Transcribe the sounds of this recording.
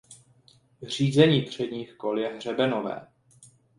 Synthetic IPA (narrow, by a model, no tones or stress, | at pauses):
riːzɛɲiːt̪r̝̥ɛdɲiːxko̞ljɛɦr̝ɛbɛno̞vɛ̰ː